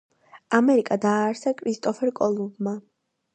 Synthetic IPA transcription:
amɛɾikʼad̪aːɾsakʼɾist̪ʼɔfʰɛɾkʼɔlˠubma

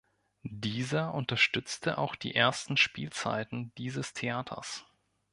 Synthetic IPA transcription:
diːzɐʔʊntɐʃtʏt͡stʰəʔa̰ʊxd̥ḭːʔeːɐstn̩ʃpiːlt͡sa̰ɪtn̩diːzəstʰeaːtʰɐ̰s

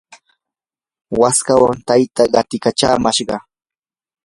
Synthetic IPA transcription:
waskawa̰nt̪ajt̪aɢɑt̪ɪkat͡ʃa̰ːmaʃɢɑ

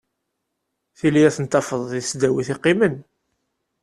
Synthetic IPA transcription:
θilijæθənt̪ːɑfəðˤðisd̪æwiθɪqːɪmən

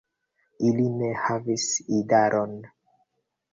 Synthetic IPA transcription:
iline̞havisidaɾʔon

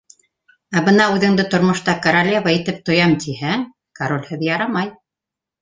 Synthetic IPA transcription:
æbɤnɑʉðɘ̆ŋd̪ɘt̪ŏɾmŏʃt̪ɑkɐɾɐlʲevait̪ɘp̚t̪ŏjɑmt̪ʰihæŋ | kaɾolʲhɘðjɑɾɑmɑj

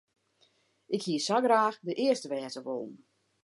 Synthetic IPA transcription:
ɪkhiəsaɡraːxdəʔɪəstəʋɛːtəʋolˠn̩

